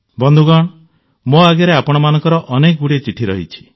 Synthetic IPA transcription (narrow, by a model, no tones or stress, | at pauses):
bɔnd̪ʱuɡɔɽ̃ɔ | moaɡɔɾeapɔɽ̃ɔmanɔŋkɔɾɔʔɔnekɔɡuɽit͡ʃiʈʰiɾɔɦḭt͡ʃʰi̥